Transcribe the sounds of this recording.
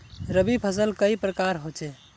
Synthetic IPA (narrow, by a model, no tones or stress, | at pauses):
ɾəbipʰəsəlkəipɾəkaɾɦot͡ʃɛ